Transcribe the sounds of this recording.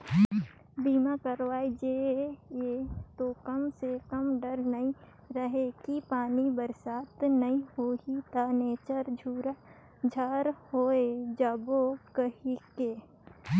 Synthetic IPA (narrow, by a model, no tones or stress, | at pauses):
biːmakəɾʋaːid͡ʒejet̪okɐmsekɐmɖəɾnɐĩ | ɾəɦekipaːnibəɾsaːt̪nɐĩɦoːit̪aːneːt͡ʃəɾd͡ʒʱuːɾa | d͡ʒʱaːɾhoːed͡ʒəbokəɦikeː